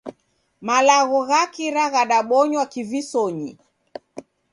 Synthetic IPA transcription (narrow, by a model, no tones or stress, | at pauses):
malaɣɔɣakiɾaɣaɗaɓɔɲwakivisɔɲḭ